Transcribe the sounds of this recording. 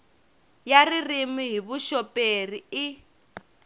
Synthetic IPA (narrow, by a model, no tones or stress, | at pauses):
jaririmiɦiβuʃɔpʼeriː